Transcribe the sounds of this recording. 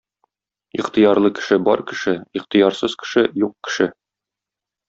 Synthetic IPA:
iqt̪ɤjɑɾlˠɤkɘ̥̆ʃɘbɒɾkɘ̆ʃɘiqt̪ɤ̆jɑɾsɤz̥kɘ̥̆ʃɘjuq̚kɘ̥̆ʃɘ

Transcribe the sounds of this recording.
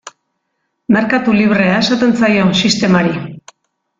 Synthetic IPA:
me̞ɾkat̪uliβ̞ɾe̞ae̞sat̪e̞nt͡sajo̞nsist̪e̞maɾi

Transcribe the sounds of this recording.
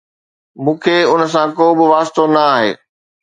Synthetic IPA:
mũːkʰeːʊns̬ãkoːbɪʋaːst̪onɐaːɦḛː

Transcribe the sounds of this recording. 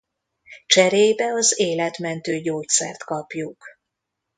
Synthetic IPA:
t͡ʃɛɾeːjbɛɒzeːlɛt̪mɛnt̪øːɟoːt̪sɛ̰rt̪kɒpjuk

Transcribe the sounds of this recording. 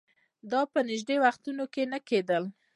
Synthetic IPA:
d̪ɑpənɪʒd̪ewaxt̪unokenəked̪əl

